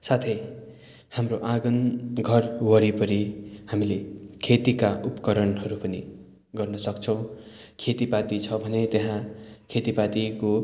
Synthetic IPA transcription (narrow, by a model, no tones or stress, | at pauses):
sat̪ʰʌj | hamroʔãɡʌnɡʱʌrwʌɾipʌɾihamilekʰet̪ikaʔupʌ̥kʌɾʌnɦʌɾupʌnḭ | ɡʌrnʌsʌkt͡sʰʌw̃ | kʰet̪ipat̪it͡sʰʌbʱʌnet̪eɦãkʰet̪ipat̪iko